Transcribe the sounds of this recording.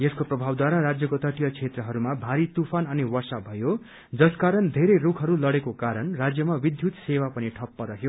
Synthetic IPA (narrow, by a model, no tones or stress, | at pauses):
jeskoprʌbʱawd̪waɾaɾad͡zjʌkot̪ʌʈijʌt͡sʰet̪rʌɦʌɾumabʱaɾit̪upʰanʌniwʌrsabʱʌjo | d͡zʌskaɾʌnd̪ʱeɾejrukʰɦʌɾulʌɽekokaɾʌnrad͡zjʌmabid̪ʱjut̪sewapʌniʈʰʌpːʌɾʌɦjo